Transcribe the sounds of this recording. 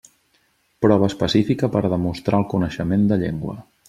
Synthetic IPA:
pɾɔβ̞əːspəsifikəpəɾðəmust̪ɾaəlˠkunəʃəmend̪əʎeŋɡwə̰

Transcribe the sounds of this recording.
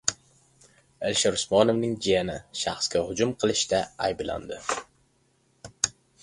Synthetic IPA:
ɪlʃɪɾʊsmɒnɪvnɪŋd͡ʒijanɪʃaχskʲahʊd͡ʒʊmqʰɨlˠɪʃt̪aajbla̰nd̪ɪ

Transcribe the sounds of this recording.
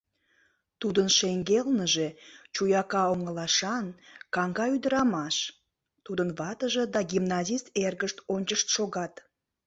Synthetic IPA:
t̪ud̪ənʃeŋɡelnəʒe̽t͡ɕujɑkɑoŋəlɑʃɑnkɑŋɡɑyd̪əɾɑmɑʃ | t̪ud̪ənβɑt̪əʒə̆d̪ɑɡʲimnɑzist̪erɣəʃt̪onʲt͡ɕəʃt̪ʃoɣɑt̪

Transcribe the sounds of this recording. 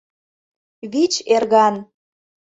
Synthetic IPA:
βit͡ɕerɣɑn

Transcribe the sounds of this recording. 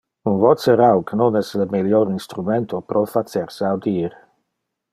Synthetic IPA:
unvɔt͡səɾawknonɛsləmiljoɾinst̪ɾument̪ʰopɾʔɔfat̪t͡seɾsawd̪iːɾ

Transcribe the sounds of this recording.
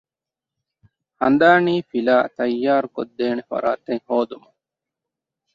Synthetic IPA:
hɐ̰nd̪aːniːfilaːt̪ɐjːaːɾkod̪ːeːnefɐ̰ɾa̰ːt̪eŋhoːd̪umu

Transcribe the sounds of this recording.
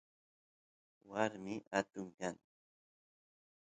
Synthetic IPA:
waɾmɪʔat̪ʊŋkaŋ

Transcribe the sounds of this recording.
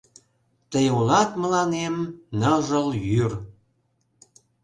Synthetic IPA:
t̪əjulɑt̪məlɑnemnəʒəljyr

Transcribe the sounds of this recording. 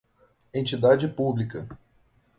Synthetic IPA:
ẽnt͡ʃid̪ad͡ʒɪpublikɐ

